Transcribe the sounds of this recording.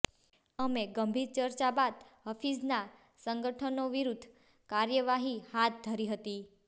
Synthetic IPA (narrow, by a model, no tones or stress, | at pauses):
əmeɡəmbʱiɾt͡ʃəɾt͡ʃabad̪ɦəfizna | səŋɡəʈʰənoʋiɾud̪ʱ | kaɾjəʋaɦihat̪̚d̪ʱəɾiɦət̪i